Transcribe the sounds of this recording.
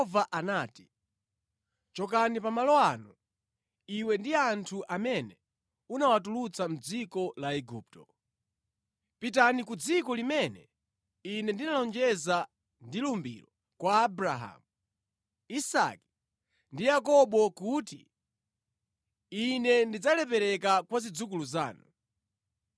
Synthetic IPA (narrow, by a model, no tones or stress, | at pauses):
vaʔanaːti̥ | t͡ʃɔk̬anipamalɔanu | iwɛndiantʰuʔamɛnɛ | unawatulut͡sam̩d͡zikɔlaɛɡup̚tɔ | pitanikud͡zikɔlimɛnɛ | inɛndinalɔnd͡ʒɛza | ndilumbḭɾɔ | kwaːbɾaɦa̰mu | isa̰ki̥ | ndijak̬ɔɓɔkuti | inɛndid͡zalɛpɛɾɛk̬akwazid͡zukuluzaːnu